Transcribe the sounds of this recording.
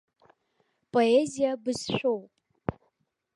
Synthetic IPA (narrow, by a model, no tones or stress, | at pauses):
pʼoezijabɨzʃʷᶣowpʼ